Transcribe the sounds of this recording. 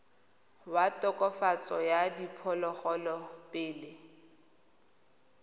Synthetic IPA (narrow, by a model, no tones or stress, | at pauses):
watʼɔkʼɔfat͡sʼɔjadipʰɔlɔχɔlɔpʼɪːlɪ